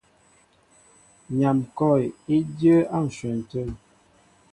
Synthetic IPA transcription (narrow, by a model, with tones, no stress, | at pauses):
ɲa˨mkɔ˦˨ji˦djə˦a˦˨n̩˨sɛ˨n̩˨tə˦˨l